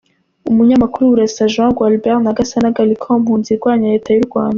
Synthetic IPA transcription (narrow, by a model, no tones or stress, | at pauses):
umuɲamakuɾuuɾaizaʒãɡwalbɛʁnaɡasanaɡalikʰomhuːnziɾɡwaːɲaɾe̞ːtʰajuɾɡwaːnda